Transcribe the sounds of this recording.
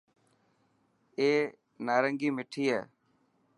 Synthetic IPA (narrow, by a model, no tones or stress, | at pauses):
eː | naːɾəŋɡiːmɪʈʰiːɦḛː